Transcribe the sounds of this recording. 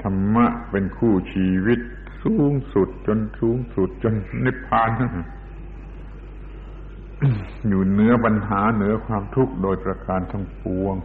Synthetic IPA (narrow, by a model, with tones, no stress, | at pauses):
t̪ʰa˧mːa˧˥ʔpe˧nkʰuː˥˩t͡ɕʰiː˧wi˦˩t̪̚ | suː˨˦˥ŋsu˨˩t̪̚t͡ɕo˧nsuː˨˦ŋsu˨˩t̪̚t͡ɕo˧nːa˦˧˩pʰaː˧˩˨n˧˩ | juː˨˩nɯ˨˦ɐpa˧nɦaː˩˦nɯ˩˦ɐkʰwaː˧mt̪ʰu˦˥k̚doː˧jpɾa˧kaː˨˧nt̪ʰa˧˩ŋpu˧əŋ